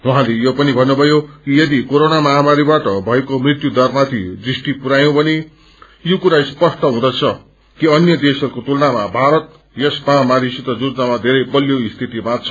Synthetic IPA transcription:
wuɦãlejopʌnibʱʌnːubʱʌjokijʌd̪ikoɾonamʌɦamaɾibaʈʌbʱʌekomrit̪jud̪ʌrmat̪ʰḭd̪risʈipuɾajõbʌni | jokuɾaispʌsʈʌɦũd̪ʌt͡sʰʌ | kiʌnjʌd̪esʌɾukot̪ulnamabʱaɾʌt̪̚ | jʌsmãmaɾisit̪ʌd͡zud͡znamad̪ʱeɾʌjpʌljoist̪ʰit̪imat͡sʰʌ

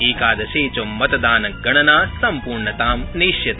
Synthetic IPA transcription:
iːkaːd̪ɐʃeːt͡ʃoːmːɐt̪ɐd̪aːnɐɡɐɳɐnaːsɐmpuːɾɳɐt̪aːmniːʃjɐt̪

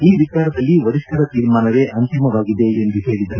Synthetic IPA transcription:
iːʋit͡ʃaːɾɐd̪ɐlːiʋɐɾiʂʈɐɾɐt̪iːɾmaːnɐʋe̞ːʔɐnt̪imɐʋaːɡid̪eːnd̪uɦe̞ːɭid̪ɐɾu

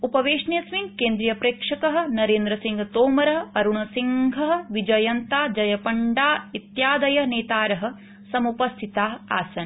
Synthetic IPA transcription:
upɐʋeːʂnjɐsʋinkeːnd̪ɾijɐpɾeːkʂɐkɐɦɐ̆nɐɾeːnd̪ɾɐsiŋɡʱɐt̪oːmɐɾɐɦɐ̆ɐɾuɳɐsiŋɡʱɐɦɐ̆ʋid͡ʒɐjɐnt̪aːd͡ʒɐjɐpɐɳɖaːit̪jaːd̪ɐjɐneːt̪aːɾɐɦɐ̆ | sɐmupɐst̪ʰit̪aːɦɐa̰ːsɐn

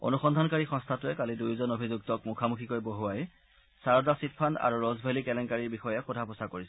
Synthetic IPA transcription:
o̰nuxɔndʱankaɹixɔ̃stʰatʊɛkalidujzɔnobʱizuk̚tɔkmukʰamukʰikɔjboɦuwaj | saɹɔdasitpʰana̰ɹuɹɔzbʱelikɛlɛŋkaɹiɹbixɔjɛxɔdʱapɔsakoɹisɛ

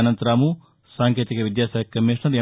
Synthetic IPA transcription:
nɐnt̪ɐɾaːmu | saːŋket̪ikɐʋid̪jaːsaːjɐkːɐmːiʂɳɐɾe

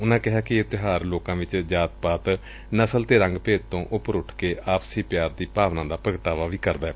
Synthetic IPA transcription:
ʊnãːkɪɦaːkɪɪt̪ɪɦaːɾloːkãːʋɪt͡ʃd͡ʒaːt̪paːt̪ | nəsəlt̪eːɾə̃ŋɡpeːd̪̚t̪õːʔʊpəɾʊʈʰkeːʔaːpsiːpjaːɾd̪iːpaːʋnãːd̪aːpəɡʈaːʋaːʋiːkəɾd̪aːɛː

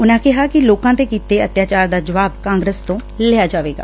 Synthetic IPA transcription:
ʊnãːkɪɦaːkɪloːkãːt̪eːkiːt̪eːət̪jaːt͡ʃaːɾd̪aːd͡ʒəʋaːbkãːŋɡɾəst̪õːlɪjaːd͡ʒaːʋeːɡa̰ː

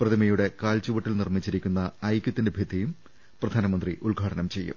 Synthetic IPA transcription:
prɐðimɐjuɽe̞kaːlt͡ɕuʋɐʈːilnirmit͡ɕːiɾikʲːunːɐɐjkʲːɐt̪ːindebʱjɐd̪ʱijum | prɐd̪ʱaːnɐmɐnd̪riʔulɡʱaːʈɐnɐmt͡ɕe̞jːṵm

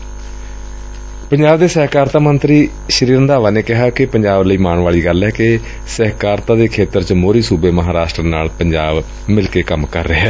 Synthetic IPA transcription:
pəɲd͡ʒaːbd̪eːsɛːkaːɾt̪aːmənt̪ɾiː | ʃəɾiːɾənd̪aːʋaːneːkɪɦaːkɪpəɲd͡ʒaːbləiːmaːɳʋaːɭiːɡəlɦɛːkɪ | sɛɦkaːɾt̪ãːd̪eːkʰeːt̪əɾt͡ʃmoːɾiːsuːbeːməɦaːɾaːʃʈɾənaːlpəɲd͡ʒaːb | mɪlkeːkəmkə̰ɾːeːɦɛː

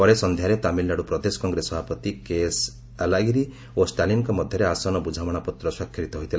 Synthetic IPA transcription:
pɔɾesɔnd̪ʱjaɾet̪amilnaɽupɾɔd̪esɔ̥kɔŋɡɾesɔbʱapɔt̪ikes | alaɡiɾi | osʈalinkɔmɔd̪ʱjɔɾeasɔnɔbud͡ʒʱawɔɽ̃apɔt̪ɾɔswakʰjiɾit̪ɔɦojt̪ʰil

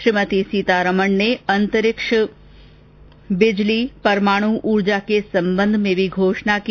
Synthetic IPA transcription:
ʃɾɪmət̪isiːt̪aɾəməɳneɐnt̪əɾɪkʂə | bɪd͡ʒlipɐɾmaːɽ̃uʔuːɾd͡ʒakesɐ̃mbə̃nd̪ʱmẽbʱiɡʱoːʃɳaki

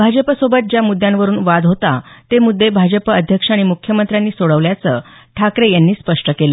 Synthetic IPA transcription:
bʱad͡ʑəpəsobət̪̚d͡ʑjamud̪ʱːjãnʋəɾuːnʋad̪ɦot̪at̪emud̪ʱːebʱad͡ʑəpəd̪ʱjəkʂaɽ̃imukʰːjəmənt̪ɾjanːiːsoɭəʋljat͡səː | ʈʰakɾejanːiːspəʂʈəkelə

